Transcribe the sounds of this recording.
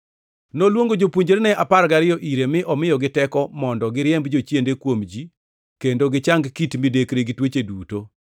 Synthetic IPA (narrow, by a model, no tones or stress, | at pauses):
nolwoŋɡod͡ʒopuɲd͡ʒeɾnɛʔaparɡaɾɪjɔʔiɾemɪʔɔmɪjɔɡɪtɛkɔmɔndɔɡɪɾjɛmbd͡ʒot͡ʃjendekwomd͡ʒi | kendoɡɪt͡ʃaŋɡkitmidekɾeɡɪtwet͡ʃeduto